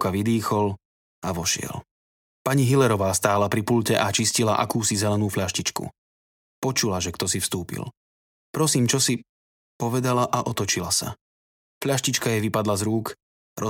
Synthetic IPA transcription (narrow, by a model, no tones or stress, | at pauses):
kaʋid̪iːxɔl | aʋɔʃɪɛ̰l | paɲiɦilɛɾɔʋaːst̪aːlapɾipuʎcɛʔat͡ʃiscilaʔa̰kuːsizɛlɛnuːfʎaʃcit͡ʃkṵ | pɔt͡ʃulaʒɛkt̪ɔsifst̪uːpḭl | pɾɔsiːmt͡ʃɔsi | pɔʋɛd̪alaʔaʔɔt̪ɔt͡ʃilasa̰ | fʎaʃcit͡ʃkajɛʋipad̪lazɾuːk | ɾɔ